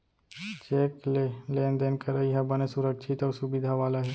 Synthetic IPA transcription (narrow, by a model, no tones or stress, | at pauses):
t͡ʃeːkleleːnd̪enkɐɾaiɦɛbɐnesʊɾəkʃʰɪt̪ɔːɾsʊbɪd̪ʱaʋaːlaɦɛ